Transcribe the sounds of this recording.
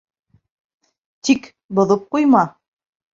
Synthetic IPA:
t̪ik | bŏðɤp̚qujmɑ

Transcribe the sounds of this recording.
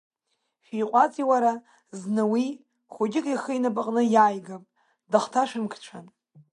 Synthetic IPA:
ʃʷᶣijqʷʼat͡sʼiwaɾa | znɨwi | χʷoɡʲɪkʼiχəinɨpʼaqʼnɨjajɡapʼ | daχtʰaʂɨmkʰʈ͡ʂʷʰan

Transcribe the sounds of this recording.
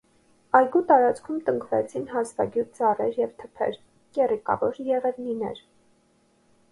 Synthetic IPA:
ɑjɡut̪ɑɾɑt͡skʰumt̪əŋkvɛ̰t͡sʰinɦɑsvɑɡjut̪̚ʰd͡zɑrɛɾjɛvt̪ʰə̥pʰɛ̰ɾ | kɛrikɑ̰vɔɾjɛʁɛvninɛ̰ɾ

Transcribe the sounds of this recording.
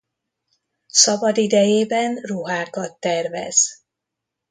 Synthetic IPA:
sɒbɒd̪id̪ɛjeːbɛnruɦaːkɒt̪ːɛrvɛ̰z̥

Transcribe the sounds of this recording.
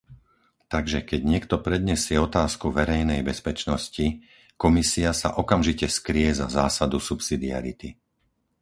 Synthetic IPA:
t̪aɡʒɛkɛɟɲɪɛkt̪ɔpɾɛd̪ɲɛsɪɛɔt̪aːskuʋɛɾɛjnɛjbɛspɛt͡ʃnɔsci | kɔmisiasa̰ʔɔkamʒicɛskɾiɛzazaːsad̪usupsid̪ia̰ɾḭt̪i

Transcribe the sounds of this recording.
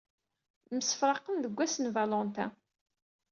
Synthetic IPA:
məsə̥fɾˤɑqənðəɡʷːæsənvalɔnt̪a̰

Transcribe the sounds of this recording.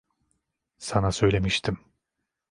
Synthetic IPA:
sanasø̞jlʲe̞miʃt̪ʰim

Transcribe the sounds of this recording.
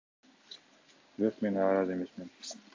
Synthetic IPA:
b̥ɾoqmenɑːɾɑzeme̞smen

